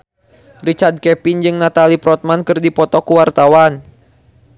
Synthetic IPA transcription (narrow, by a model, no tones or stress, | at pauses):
rit͡ʃard̪̚kɛpind͡ʒɨŋnat̪alipɾɔt̪̚mankɨrdipɔt̪ɔkuwart̪awan